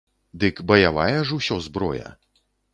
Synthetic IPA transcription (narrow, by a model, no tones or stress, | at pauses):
d̪ɨkbɐjavajɐʐusʲɔzbɾɔ̰jɐ̰